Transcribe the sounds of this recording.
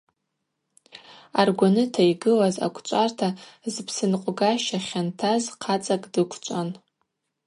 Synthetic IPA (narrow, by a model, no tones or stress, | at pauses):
arɡʷanɨtʰaiɡɨlaza̰kʷʰʼt͡ʃʷʼartʰazpʰsɨnqʷʼɡaʃaχʲantʰazqʰat͡sʼakʼdɨkʷʰt͡ʃʷʼan